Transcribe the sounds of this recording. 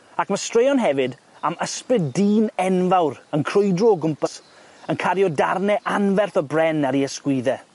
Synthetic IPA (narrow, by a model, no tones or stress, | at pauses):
akmastrejɔnɦɛvɨd | aməsprɨddiːnɛnvawɾənkʰr̥ʊjdrɔɡʊmpəs | ənkʰaɾjɔdarnɛʔanvɛrθɔbrɛnaɾiəskwɪðɛ